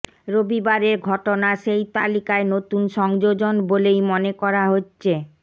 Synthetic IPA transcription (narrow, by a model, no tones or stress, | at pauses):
ɾobibaɾeɾɡʱɔʈonaʃejt̪a̰likaenot̪unʃɔŋd͡ʑod͡ʑonbolejmonekɔɾaɦotːɕʰe